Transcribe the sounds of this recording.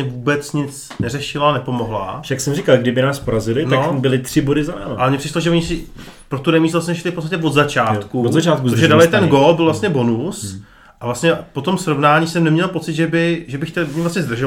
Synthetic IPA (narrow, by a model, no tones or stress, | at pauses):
ɲɛvuːbɛt͡sɲɪt͡s | nɛrɛʃɪlanɛpo̞mo̞ɦla̰ʃaksɛmrɪkalɡdɪbɪnaːspoɾazɪlɪnaobɪlɪt̪r̥ɪbodɪzalɛ̰maʔalɛmɲɛprɪʃloʒɛoɲɪsɪ | pɾot̪unɛmiːslasɲɛɛʃɪlɪfpot͡sst̪acɛvod̪zat͡ʃaːt̪kuot̪zat͡ʃaːt̪̚kuoʒɛdalɪt̪ɛnɡobɪlvlast̪ɲɛbo̞nus | ʔavlasɲɛpo̞t̪o̞msɾo̞vnaːɲiːsɛmnɛmɲɛlpo̞t͡sɪt̪ʒɛbɪʒɛbɪxcɛlmɲɛvlasɲɛzd̪r̩ʒo